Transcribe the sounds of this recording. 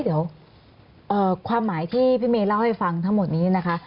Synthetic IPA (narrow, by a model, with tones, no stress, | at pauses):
d̪i˩˦əw | ʔɤː˨˩kʰwaː˧mːaː˩˦jt̪ʰiː˥˩pʰiː˥˩meː˧la˥˩wha˥˩jfa˧ŋt̪ʰa˦˥ŋmo˨˩t̪̚niː˦˥˩na˦˥kʰa˦˥